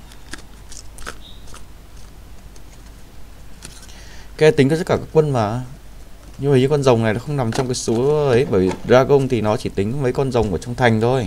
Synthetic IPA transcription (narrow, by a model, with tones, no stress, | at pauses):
ka˧t̪ï˨˦ŋ̟ɔ˧˦˥kaː˧˩kaː˦˥kwə˧nmaː˨˩ | ɲu˧˩˧ɲɨ˧kɔ˧nzə˨˩wŋ͡mna˨˩jlaː˨˦xə˧wŋ͡mna˨˩mt͡ɕɔ˧wŋ͡mkaː˨˦jsu˨˦ə˨˦jɓəː˧˩jvzaː˧ɣə˧wŋ͡mt̪ʰi˨˩nɔ˨˦t͡ɕi˧˩t̪ï˨˦ŋ̟˨mə˨˦jkɔ˧nzə˨˩wŋ͡mʔu˧˩t͡ɕɔ˧ŋ͡mt̪ʰa˨˩jŋ̟t̪ʰo˧j